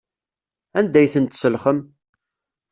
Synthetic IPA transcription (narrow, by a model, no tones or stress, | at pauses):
ænd̪æjθənt̪səlχəm